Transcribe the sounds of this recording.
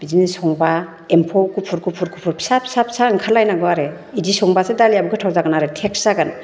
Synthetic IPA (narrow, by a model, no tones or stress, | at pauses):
bizinisɔŋba | empʰowkupʰuɾkʰupʰuɾkʰupʰuɾpʰi̥sapʰi̥sapʰsaŋkʰalːajnaɡɯaɾe | idisɔŋbasedaliabuɡɯtʰawzaɡɯnaɾetʰeksaɡan